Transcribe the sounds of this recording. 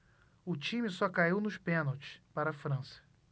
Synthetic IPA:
ʊt͡ʃĩmisɔkaiwnʊʃpẽnɐwt͡ʃɪ̥spaɾɐfɾɐ̃sɐ̥

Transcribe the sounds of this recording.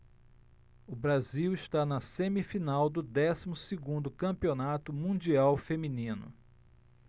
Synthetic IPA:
ʊbɾaziwɪʃt̪anɐsẽmifinawd̪ʊd̪ɛsimʊsɪɡũnd̪ʊkɐ̃mpionat̪ʊmũd͡ʒiawfemĩnĩnʊ̰

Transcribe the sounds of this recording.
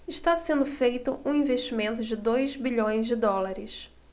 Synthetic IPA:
ɪʃt̪asẽnd̪ʊfejt̪ʊʔũĩveʃt͡ʃimẽnt̪ʊd͡ʒɪd̪ojzbiʎõj̃zd͡ʒɪd̪ɔlaɾɪʃ

